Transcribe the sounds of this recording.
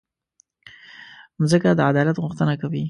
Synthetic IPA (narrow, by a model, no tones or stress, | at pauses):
zəkad̪əad̪ɑlat̪ɣʊxt̪ənakawi